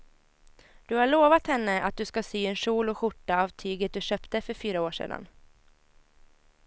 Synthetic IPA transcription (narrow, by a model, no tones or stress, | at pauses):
d̪̥ɵhaɭoːvat̪hɛnːəʔa̰t̪̚d̪ɵskasyːɛnʂuːlɔɧʊʈːaavt̪ʰyːɡət̪̚d̪ɵɕœːpt̪əfœɾfyːɾaoːʂḛːd̪a̰n